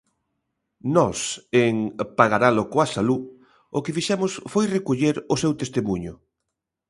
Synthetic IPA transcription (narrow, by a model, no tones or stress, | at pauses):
nɔseŋpaɣaɾalʊkoasalu | ʊkɪfiʃɛmʊsfojrekoʎeɾʊsewt̪est̪emuɲʊ̰